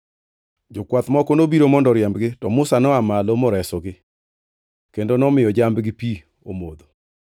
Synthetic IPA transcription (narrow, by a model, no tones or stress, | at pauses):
d͡ʒɔkwat̪mɔkonobiɾomɔndɔɾjambɡɪtɔmʊsanɔamalomɔɾɛsɔɡɪ | kendonɔmɪjɔd͡ʒambɡɪpi | o̰mod̪o